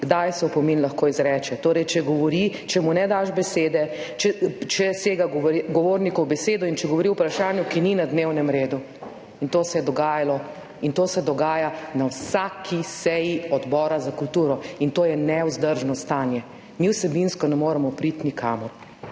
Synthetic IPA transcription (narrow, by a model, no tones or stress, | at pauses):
ɡd̪ajsɛupɔminlɐxkoːizɾɛːt͡ʃɛt̪oːɾɛjt͡ʃɛɡɔʋɔɾit͡ʃɛmunɛd̪aʃbɛseːd̪ɛ | t͡ʃɛt͡ʃɛseːɡaɡɡɔʋoːɾnikɔwbɛseːd̪ɔint͡ʃɛɡɔʋɔɾiwpɾaʃaːnjukininad̪newnɛmɾeːd̪u | int̪oːsɛjɛd̪ɔɡaːjalɔ | int̪oːsɛd̪ɔɡaːjanawsakʰisɛjiɔd̪bɔːɾazakult̪uːɾɔint̪oːjɛnɛuzd̪əɾʒnɔst̪aːnjɛ | miwsɛbinskɔnɛmoːɾamɔpɾit̪nikʰaːmɔɾ